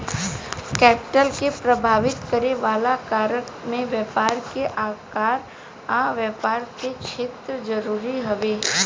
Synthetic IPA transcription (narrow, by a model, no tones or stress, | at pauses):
kɛpɪ̥ʈəlkepɾəbʱaːʋɪt̪kəɾeʋaːlakaɾəkmẽʋjəpaɾkeʔakaɾ | aʋjɛpaɾt̪eʃʰet̪ɾəd͡ʒəɾuɾiɦəʋe